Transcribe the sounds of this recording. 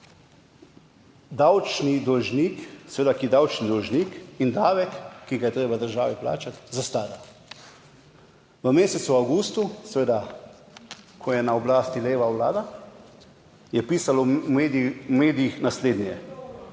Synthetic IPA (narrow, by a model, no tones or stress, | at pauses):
d̪awt͡ʃnid̪ɔlʒniːksʋeːd̪akid̪awt͡ʃnid̪ɔlʒniːkind̪aːʋɛkːiɡajɛt̪ɾeːbad̪əɾʒaːʋipla̰ːt͡ʃat̪zast̪aːd̪a | ʋəmeːsɛt̪suawɡuːst̪usʋeːd̪a | kʰɔjɛnaɔblaːst̪ileːʋawla̰ːd̪a | jɛpiːsalɔmeːd̪meːd̪ijixnasleːd̪nʲɛjɛ